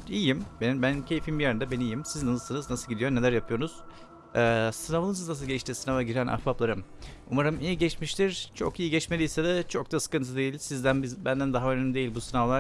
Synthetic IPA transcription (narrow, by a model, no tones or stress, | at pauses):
iːjimbenbænmcʰe̞jifimbijeɾind̪ɛbenijimsiznnsɯnɯznasɯlˠɟid̪ijo̞ɾne̞lʲæɾjapʰɯjo̞ɾuz̥ | ɛːsɯnavaɯnɯznas̬ɯlˠɟɛʃt̪isinavaɟiɾænʔa̰hfaplˠaɾɯm | umaɾɯmijiɟɛt͡ʃmiʃt̪ʰiɾ̥t͡ʃʰo̞̰kijiɟɛt͡ʃmelʲijsɛd̪ɛt͡ʃʰo̞k̚d̪asɯ̥kɯnt̪ʰɯd̪e̞jilʲsizd̪ænbizbænd̪ænd̪aɦaønymid̪e̞jilʲbusɯnavlˠa